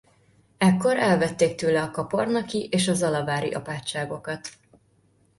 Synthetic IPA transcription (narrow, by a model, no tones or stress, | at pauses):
ɛkːo̞ɾʔɛlvɛt̪ːeːk̚t̪øːlɛɒkɒpo̞rnɒkiʔeːʃɒzɒlɒvaːɾḭʔɒ̰paːt͡ʃːaːɡo̞kɒt̪